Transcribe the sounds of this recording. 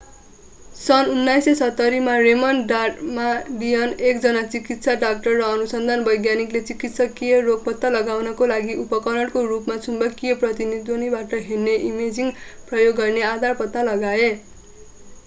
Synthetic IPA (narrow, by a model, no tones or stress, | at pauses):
sʌnunːajsʌsʌt̪ːʌɾimaremʌnɖaʈmaɖijʌnekd͡zʌnat͡sikit̪saɖak̚ʈʌrːʌːnusʌnd̪ʱanbʌjɡjaniklet͡sikit̪sʌkijʌroɡ̚pʌt̪ːalʌɡawnʌkolaɡiʔupʌkʌnʌɽkorupmat͡sʰumbʌkːijʌprʌt̪inid̪onibaʈʌɦerneʔimed͡ziŋprʌjoɡːʌrnead̪ʱarpʌt̪nalʌɡae